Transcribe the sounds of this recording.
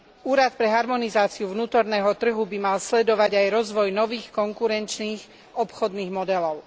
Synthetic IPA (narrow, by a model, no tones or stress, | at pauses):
uːɾat̪pɾɛɦaɾmɔnizaːt͡siuʋnuːt̪ɔɾnɛːɦɔt̪r̩ɦubimalslɛd̪ɔʋaɟajɾɔzʋɔjnɔʋiːxkɔŋkuɾɛnt͡ʃniːx | ɔpxɔd̪niːɣmɔd̪ɛlɔʊ